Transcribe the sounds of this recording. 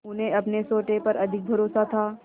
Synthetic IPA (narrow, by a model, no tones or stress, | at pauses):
ʊnẽɐpnesoːʈepɐɾɐd̪ʱɪk̚bʱɐɾoːsat̪ʰaː